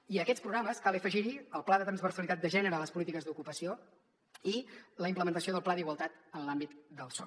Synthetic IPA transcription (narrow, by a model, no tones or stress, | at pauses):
iəkɛtspɾuɣɾaməskalˠəfəʒiɾiəlˠplaðət̪ɾənzβərsəlit̪at̪̚d̪əʒɛnəɾəːləspulit̪ikəzd̪ukupəsio | iləimpləmənt̪əsioðəlˠplaðiɣwəlˠt̪at̪ənlambit̪d̪əlˠsɔ̰